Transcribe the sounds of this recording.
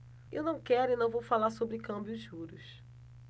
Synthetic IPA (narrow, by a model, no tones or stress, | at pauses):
ḛwnɐ̃w̃kɛɾʊinɐ̃w̃vowfalaɾsobɾɪkɐ̃bjʊʒuɾʊs